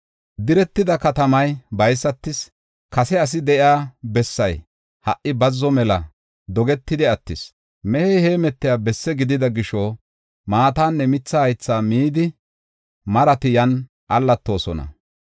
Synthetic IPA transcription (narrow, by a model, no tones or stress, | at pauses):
d̪ɪɾɛt̪ːɪd̪ɐkɐt̪ɐmɐjbɐjsːɐt̪ːɪs | kɐsɛɐs̬ɪd̪ɛʔɪaːbɛsːɐj | hɐʔʔɪbɐzːɔmɛlɐ | d̪ɔɡɛt̪ːɪd̪ɪɐt̪ːɪs | mɛhɛjhe̞ːmɛt̪ːɪjaːbɛsːɛɡɪd̪ɪd̪ɐɡɪʃɔ | maːt̪aːnːɛmɪt͡sːɐhɐjt͡sːaːmiːd̪ɪ | mɐɾɐt̪ɪjɐn | ʔɐlːɐt̪ːo̞ːsɔ̰nɐ̰